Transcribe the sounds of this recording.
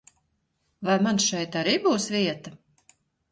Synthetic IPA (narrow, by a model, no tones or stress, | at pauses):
vajmansʃɛjt̪aɾiːbuːsviɛt̪a